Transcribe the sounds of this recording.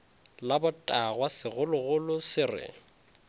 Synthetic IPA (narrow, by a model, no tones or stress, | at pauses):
labʊtʼaɣwasɪɣʊlʊɣʊlʊsɪrɪ̰